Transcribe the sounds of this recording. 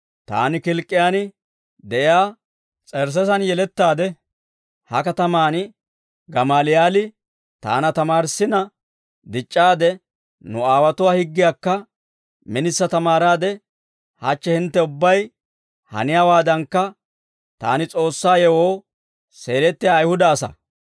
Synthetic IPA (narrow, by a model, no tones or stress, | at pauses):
t̪a̰ːnɪkɪlkʼːɪjaːnɪ | d̪ɛʔɪjaː | t͡sʼɛɾs̬ɛsɐnjɛlɛt̪ːaːd̪ɛ | hɐkɐt̪ɐmaːnɪ | ɡɐmaːlɪjaːlɪ | t̪a̰ːnɐt̪ɐmaːɾsːɪnɐ | d̪ɪt͡ʃʼːaːd̪ɛ | nʊaːwɐt̪ʊwaːhɪɡːɪjaːkːɐ | mɪnɪsːɐt̪ɐmaːɾaːd̪ɛ | hɐt͡ʃːɛhɪnt̪ːɛʊbːɐj | hɐ̰nɪjaːwaːd̪ɐŋkːɐ | t̪a̰ːnɪt͡sʼo̞ːsːaːjɛwoː | se̞ːlɛt̪ːɪjaːjhʊd̪ɐːsɐ̰